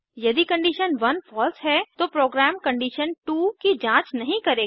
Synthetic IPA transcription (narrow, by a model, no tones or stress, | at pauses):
jɐd̪ikɐ̃ɳɖiːʃənʋɐnfʰɔːlsɦɛt̪opɾoːɡɾæːmkɐ̃ɳɖiːʃənʈuːkid͡ʒãːt͡ʃnɐɦĩkɐɾeː